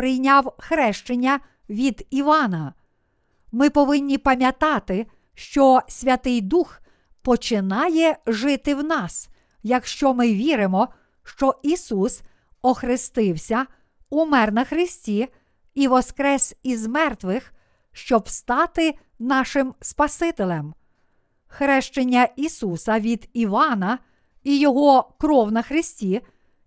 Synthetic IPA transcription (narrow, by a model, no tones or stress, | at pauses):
pɾɪjnʲɑwxɾɛʃt͡ʃɪnʲːɐ | ʋʲid̪iʋɑnɐ | mɪpɔʋɪnʲːipɐmʲjɐt̪ɑt̪ɪ | ʃt͡ʃɔsʲʋʲɐt̪ɪjd̪ux | pɔt͡ʃɪnɑjɛʒɪt̪ɪwnɑs | jɐkʃt͡ʃɔmɪʋʲiɾɪmɔ | ʃt͡ʃɔisus | ɔxɾɪst̪ɪwsʲɐ | umɛrnɐxɾɪsʲtʲi | iʋɔskɾɛsʲizmɛrt̪ʋɪx | ʃt͡ʃɔbst̪ɑt̪ɪ | nɑʃɪmspɐsɪt̪ɪlʲɛm | xɾɛʃt͡ʃenʲːɐisusɐʋʲid̪iʋɑnɐ | ijɔɦɔkɾɔwnɐxɾɪsʲtʲi